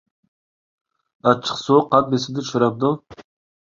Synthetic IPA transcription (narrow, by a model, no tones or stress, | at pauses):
ɑt͡ʃʰːə̥qsoqʰɑt̪̚besɪd̪ɪʃuɾɑp̚d̪u